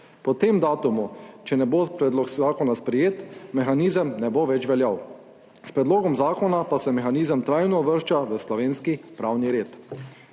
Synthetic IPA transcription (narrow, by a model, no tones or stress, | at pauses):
pɔt̪emd̪aːt̪umut͡ʃɛnɛbopɾɛd̪lɔkzaːkɔnaspɾɛjeːt̪mɛxaniːzəmnɛboːʋɛt͡ʃʋɛljaw | spɾɛd̪loːɡɔmzaːkɔnapasɛmɛxaniːzəmt̪ɾajnɔʋəɾʃt͡ʃaʋəslɔʋeːnskipɾaːwniɾeːt̪